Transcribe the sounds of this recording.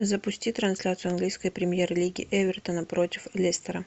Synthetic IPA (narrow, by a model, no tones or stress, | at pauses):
zəpʊsʲtʲit̪ɾɐnsʲlʲat̪sɨʊɐnɡlʲijskəjpɾʲɪmʲjerlʲiɡʲɪ̰ʔɛvʲɪrt̪ənəpɾotʲɪflʲesʲt̪ʲəɾə